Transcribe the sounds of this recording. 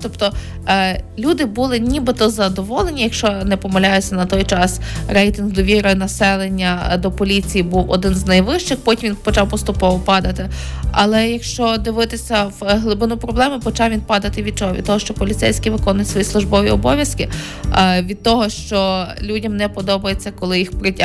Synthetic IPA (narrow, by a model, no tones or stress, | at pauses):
t̪ɔpt̪ɔ | lʲud̪ɪbulˠɪnʲibɪt̪ɔzɐd̪ɔʋɔlˠenʲijɐkʃt͡ʃɔnɛpɔmɐlʲajʊt͡sʲːɐnɐt̪ɔjt͡ʃɑsɾɛjt̪ɪnɦd̪ɔʋʲiɾɔjnɐsɛlˠenʲːɐd̪ɔpɔlʲit͡sʲijibuwɔ̰d̪ɪnznɐjʋɪʃt͡ʃɪxpɔtʲimʋʲinpɔt͡ʃɑwpɔst̪ʊpɔʋɔpɑd̪ɐt̪ɪɐ̰lˠɛjɐkʃt͡ʃɔd̪ɪʋɪt̪ɪsʲɐwɦlˠɪbɪnupɾɔblˠɛmɪpɔt͡ʃɑwʋʲinpɑd̪ɐt̪ɪʋʲid̪̚t͡ʃɔɦɔʋʲid̪̚t̪ɔɦɔʃt͡ʃɔpɔlʲit̪sɛ̰jsʲkʲijʋɪkɔnʊjtsʋɔjislˠʊʒbɔʋʲḭɔbɔʋʲjɐskɪ | ʋʲid̪̚t̪ɔɦɔʃt͡ʃɔlʲudʲɐmnɛpɔd̪ɔbɐjet͡sʲːɐkɔlˠɪjixpɾɪtʲ